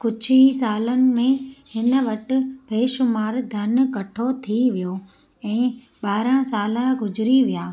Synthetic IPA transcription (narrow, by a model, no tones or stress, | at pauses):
kʊd͡ʑʱisaːlənɪ̆mẽhɪnə̆ʋɐʈɪ̆ʋʱeːʃʊmaːɾd̪ʱɐn̆kɐʈʰot̪ʰiʋijo | ɛ̃ː | ɓaːɾãsaːlãɡʊd͡ʑɪɾiʋijaː